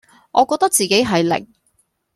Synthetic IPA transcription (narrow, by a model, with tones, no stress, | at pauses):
ʔɔː˨˧kɔː˧k̚t̪ɐ˥k̚t͡siː˨ke˨˥jɦɐ˨jlɪ̰˨˩ŋ̚